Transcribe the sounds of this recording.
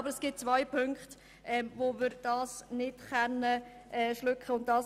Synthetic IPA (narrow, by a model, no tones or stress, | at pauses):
bəɾəsɡ̥ɪt̚t͡svaɪpʰʏŋkχt | ʔɛmvomɪɾd̥ɑːsnɪd̥χɛnːəʔɛːʃlʏkχəʊnt̚d̥ɑːs